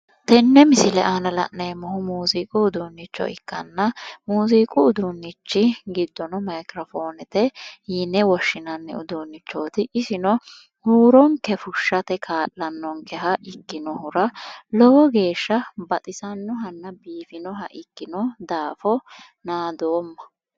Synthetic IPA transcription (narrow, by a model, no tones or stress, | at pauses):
t̪ɛnːɛmɪsɪlɛʔanɐlɐ̰ʔneːmɔhʊmuːzikʼʊːd̪unːɪt͡ʃːɔ̰ɪkːɐnːɐmuːzikʼʊʊd̪ʊnːɪt͡ʃːɪɡɪd̪ːɔnɔmɐjkɾɔfo̞ːnɛt̪ɛhinːɛwɔʃːɪnɐnːɛ̰ʊd̪uːnːɪt͡ʃːoːt̪ɪʔɪsɪnɔ | huːɾɔŋkɛfʊʃːɐt̪ɛkʰaːlːɐnːɔŋkɛɦɐʔɪkːɪnɔhʊɾɐlɔwɔɡe̞ːʃːɐbɐt̪ʼɪsɐnːɔɦɐnːɐbiːfɪnɔɦɐʔɪkːɪnɔd̪aːfɔnaːd̪oːmːɐ̥